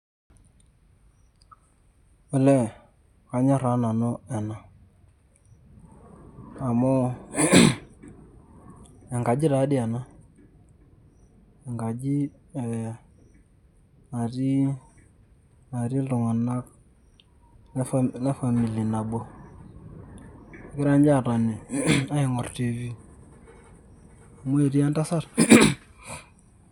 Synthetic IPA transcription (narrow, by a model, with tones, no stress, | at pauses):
ʊ˨lɛ˦ | ka˨˦ɲɔ˦ɾa˨˦na˨nɔ˦ɛ˨na˨ | a˨mɔ˦ | ɛ˨ŋɡa˨d͡ʒɪ˦ɾa˨˦ɗɪ˦a˨na˦ | ɛ˨ŋɡa˨d͡ʒi˦˨ | a˨ɾi˦ | a˨ɾi˦du˨ŋa˨na˦k | n˦na˦fa˨mi˨li˨na˨bo˦˨˦ | ki˦ɾa˦nd͡ʒa˦˨ta˨ni˨a˦i˨ŋɔ˨ɾti˦vi˦ | a˨mu˦e˨ɾi˦ja˦nta˦sa˦˨ɾ